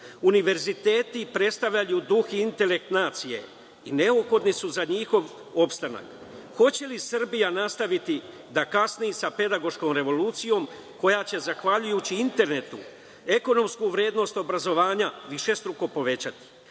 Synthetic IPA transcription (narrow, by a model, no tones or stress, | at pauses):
uniʋe̞ɾzit̪e̞ːt̪ipɾe̞t̪st̪aʋʎajud̪uxiint̪e̞le̞k̚t̪naːt̪sije̞̰ | ine̞uxo̞d̪nisuzaɲixo̞ʋ | o̞pst̪ana̰k | xo̞t͡ɕe̞lisr̩bijanast̪aʋit̪i | d̪akasnijisape̞d̪aɡo̞ʃko̞ːmɾe̞ʋo̞luːt̪sijo̞m | ko̞jat͡ɕe̞zaxʋaʎujut͡ɕiint̪e̞ɾne̞t̪u | e̞ko̞no̞mskuʋɾje̞ːd̪no̞st̪o̞bɾazo̞ʋaːɲaʋiʃe̞st̪ɾuko̞po̞ʋe̞t͡ɕat̪i̥